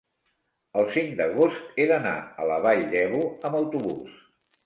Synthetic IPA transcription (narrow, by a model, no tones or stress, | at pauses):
əlˠsiŋd̪əɣost̪eðəna̰ə̰ləβaʎd̪ɛβuəməwt̪uβṵs